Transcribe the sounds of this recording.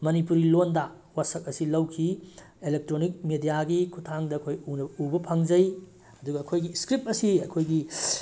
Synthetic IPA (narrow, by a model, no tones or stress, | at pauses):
mɐnipuɾilondɐ | wasɐk̚ɐsilɐwkʰi | elek̚tɾonik̚medijaɡikʰutʰaŋdɐːkʰojunɐubɐpʰɐŋd͡ʒɐj | ɐduɡɐːkʰojɡiskɾip̚ɐsiɐkʰojɡi